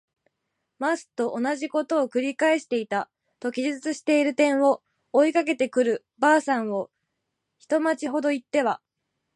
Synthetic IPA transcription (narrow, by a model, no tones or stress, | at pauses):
masɨ̥t̪o̞ʔonaʑiko̞t̪o̞ːkɯ̟ɾʲikae̞ɕi̥t̪e̞it̪a | t̪o̞kʲiʑizɨt͡sɨɕi̥t̪e̞iɾɯ̟t̪ẽ̞ɰ̃o̞ː | ikak̬e̞t̪e̞kɯ̟ɾɯ̟ | baːsãɰ̃o̞ | çi̥t̪o̞mat͡ɕiɦo̞d̪o̞it̪ːe̞βa